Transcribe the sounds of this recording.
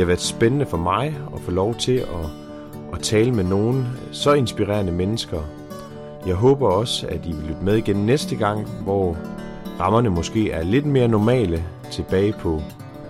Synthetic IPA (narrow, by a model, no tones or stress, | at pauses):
hɑ̈ʋæːɐð̥ˠsb̥enənəfɒ̽mɑ̈ɪɒ̽fɔlɒʊt͡sʰe̝ɒ̽ | t͡sʰɛːləmeno̝ːn̩sɒ̽e̝nsb̥iʁɛ̰ɐnəmenəsɡ̥ɐ | jɑ̈ɪɦɔ̰̽ːb̥ɐɒ̽sæd̥iʋe̝lyd̥əmeð̞ˠiɡ̥ennesd̥əɡ̥ɑ̈ŋ̰ʋɒ | ʁɑ̈mɐnəmɒ̽sɡ̥e̝̰ːæɐle̝d̥me̝ːɐnɒmɛ̰ːlə | t͡sʰe̝b̥ɛːɪpʰɒ̽